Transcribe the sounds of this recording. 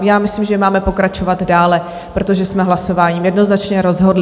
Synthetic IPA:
jaːmɪsliːmʒɛmaːmɛpo̞kɾat͡ʃo̞vad̪daːlɛ | pɾo̞t̪oʒɛsmɛɦlaso̞vaːɲiːmjɛdno̞znat͡ʃɲɛɾo̞zɦo̞dl

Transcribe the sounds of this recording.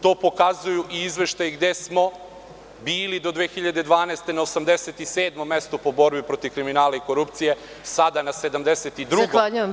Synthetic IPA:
t̪o̞ːpo̞kazujuʔiizʋe̞ʃt̪ajeɡd̪e̞smo̞ | biːlid̪o̞d̪ʋeːxiʎad̪e̞d̪ʋaːnest̪e̞naosamd̪eset̪iseːd̪mo̞mːe̞st̪upo̞bo̞ɾbipɾo̞t̪iʋkɾiminaːlaiko̞ɾupt̪sije | sad̪anase̞d̪amd̪eset̪id̪ɾuɡoaʎujem

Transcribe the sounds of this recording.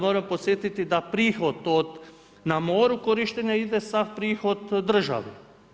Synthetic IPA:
moːɾampot̪sʲjet̪it̪id̪apɾiːxod̪od̪ | namoːɾukoɾiʃt̪eɲaid̪esapɾiːxod̪d̪r̩ʒa̰ʋe

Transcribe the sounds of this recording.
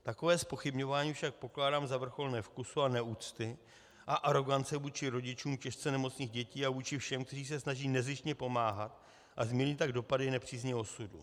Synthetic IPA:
t̪ako̞vɛːspo̞xɪbɲo̞vaːɲiːfʃak̚po̞klaːdaːmzavr̩xo̞lnɛːfkusuanɛuːt͡st̪ɪ | ʔaʔaɾo̞ɡant͡sɛvuːt͡ʃɪɾo̞ɟɪt͡ʃuːmcɛʃt͡sɛnɛmo̞t͡sɲiːɣɟɛciːavuːt͡ʃɪfʃɛmk̚t̪ɛriːs̬ɛsnaʒiːnɛzɪʃɲɛpo̞maːɦat̪ | ʔazmiɲit̪aɡdo̞padɪnɛpr̝̥iːzɲɛosudṵ

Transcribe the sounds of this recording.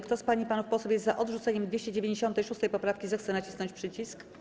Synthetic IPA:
kt̪ɔspaɲipanufpɔsufʲjɛzt̪zaʔɔd̪ʐut̪sɛɲɛmd̪vʲeɕt͡ɕɛd͡ʑevʲeɲd͡ʑeɕɔnt̪ɛjʂust̪ɛjpɔpɾafkʲizɛxt̪sɛnat͡ɕi̥snɔɲt͡ɕpʂɘt͡ɕisk

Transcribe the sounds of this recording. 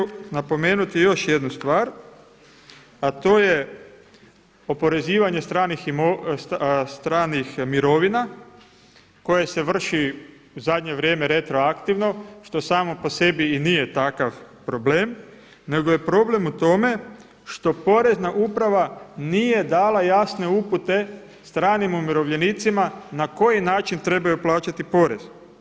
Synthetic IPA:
napo̞me̞ːnut̪ijo̞ʃje̞d̪nust̪ʋaːɾ | at̪o̞ːje̞ | o̞po̞ɾe̞ziːʋaɲe̞st̪ɾaniximo | st̪ɾaːnixmiɾo̞ʋina | ko̞jese̞ʋr̩ʃi | uzad̪ɲe̞ʋɾjeːme̞ɾet̪ɾo̞akt̪iʋno̞ʃt̪o̞saːmo̞po̞se̞biːnije̞t̪akaʋpɾo̞ble̞ːm | ne̞ɡoje̞pɾo̞ble̞mut̪o̞me̞ | ʃt̪o̞po̞ɾe̞znaʔupɾaʋanije̞d̪aːlˠajasne̞uput̪e̞ | st̪ɾaːnimumiɾo̞ʋʎe̞nit̪simanako̞jinaːt͡ʃint̪ɾe̞bajuplˠaːt͡ʃat̪ipo̞ɾe̞z̥

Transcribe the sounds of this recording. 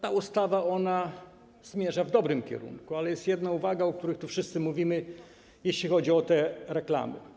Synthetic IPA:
t̪aust̪avaɔna | z̥mʲjɛʐavd̪ɔbɾɘmkʲɛ̰ɾṵŋkualɛjɛst̪jɛd̪nauvaɡaɔk̚t̪uɾɘxt̪ufʂɘst̪sɘmuvʲimɘ | jeɕlʲixɔd͡ʑiɔt̪ɛɾɛkla̰mɘ̰

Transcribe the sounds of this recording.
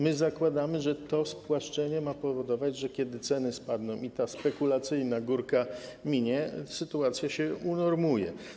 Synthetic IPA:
mɘzakwad̪amɘʐɛt̪ɔspwaʂt͡ʂɛɲɛmapɔvɔd̪ɔvad͡ʑʐɛkʲɛd̪ɘt̪sɛnɘspad̪nɔ̃w̃it̪aspɛkulat̪sɘjnaɡuɾkamʲiɲɛsɘt̪uat̪sʲjaɕɛunɔɾmujɛ̰

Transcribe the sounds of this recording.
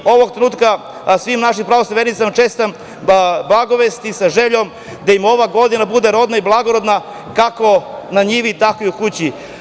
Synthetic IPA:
o̞ʋoɡ̚t̪ɾenuːt̪ka | sʋimnaʃimpɾaʋosaʋenit̪samt͡ʃeːst̪am | blˠaɡoʋest̪isaʒeʎom | d̪aimo̞ʋaɡo̞d̪inabud̪e̞ɾo̞d̪naiblˠaɡoɾod̪na | kako̞naɲiʋit̪akijukut͡ɕi

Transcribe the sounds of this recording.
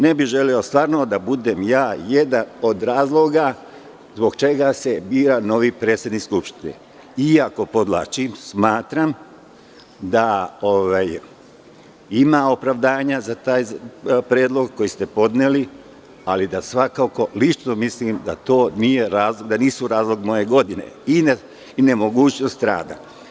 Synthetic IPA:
ne̞bihʒe̞liost̪ʋaːɾnod̪abud̪e̞mjaːjed̪ano̞d̪ɾaːzlˠo̞ɡa | zbo̞ɡt͡ʃe̞ɡase̞biːɾano̞ʋipɾeːt̪sjed̪nikskupʃt̪inḛ | iako̞po̞d̪lˠa̰t͡ʃimsmaːt̪ɾam | d̪aoʋaj | imao̞pɾaʋd̪aːɲazat̪aːjpɾeːd̪lˠo̞ɡkːo̞jist̪e̞po̞d̪neli | alid̪asʋakako̞lit͡ʃno̞mislimd̪a̰t̪o̞ːnije̞ɾaːzlˠoɡd̪aniːsuɾaːzlˠo̞ɡmo̞je̞ɡo̞d̪ine̞̰in | ne̞mo̞ɡuːt͡ɕno̞st̪ɾa̰ːd̪a̰

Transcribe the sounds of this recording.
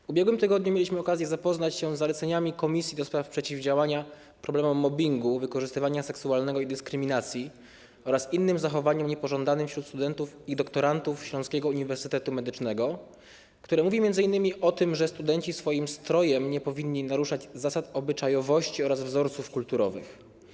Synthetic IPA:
vubʲjɛɡwɘmt̪ɘɡɔd̪ɲumʲjelʲiɕmɘɔkazʲjɛzapɔznat͡ɕɕɛ̃zːalɛt̪sɛɲamʲikɔmʲisʲjid̪ɔspɾafpʂɛt͡ɕivd͡ʑawaɲa | pɾɔblɛmɔmːɔbʲiŋɡuvɘkɔʐɘst̪ɘvaɲasɛksualnɛɡɔid̪ɘskɾɘmʲinat̪sʲji | ɔɾasinːɘmzaxɔvaɲɛmɲɛpɔʐɔnd̪anɘmfɕɾut̪st̪ud̪ɛnt̪ufid̪ɔkt̪ɔɾant̪ufɕlɔ̃nskʲɛɡɔuɲivɛɾsɘt̪ɛt̪umɛd̪ɘt͡ʂnɛɡɔ | kt̪uɾɛmuvʲimʲjɛnd̪zɘinːɘmʲiʔɔt̪ɘmʐɛst̪ud̪ɛɲt͡ɕisfɔjimst̪ɾɔjɛmɲɛpɔvʲinːinaɾuʂad͡ʑzasat̪ɔbɘt͡ʂajɔvɔɕt͡ɕiɔɾazvzɔɾt̪sufkult̪uɾɔvɘ̰x

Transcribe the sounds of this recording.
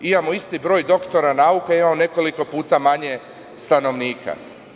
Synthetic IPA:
imamo̞ist̪ibɾo̞ːjd̪o̞kt̪o̞ɾanaukaimamone̞ko̞liko̞puːt̪amaɲe̞ | st̪ano̞ʋniːkʰa̰

